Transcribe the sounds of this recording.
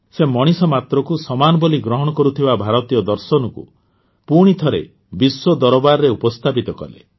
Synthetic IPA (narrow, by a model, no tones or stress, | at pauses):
semɔɽ̃isɔmat̪ɾɔkusɔmanɔbɔliɡɾɔɦɔɽ̃ɔkɔɾut̪ʰibabʱaɾɔt̪ijɔd̪ɔɾsɔnɔkṵ | puɽ̃it̪ʰɔɾḛ | biswɔd̪ɔɾɔbaɾɔɾeupɔst̪ʰapit̪ɔkɔ̰lḛ